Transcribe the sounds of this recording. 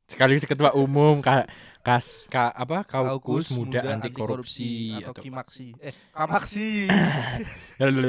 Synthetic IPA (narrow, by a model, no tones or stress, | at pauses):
sə̥kalisəkət̪waʔumʊmkakaskaʔːpakaukusmudaant̪ikoɾupsiat̪u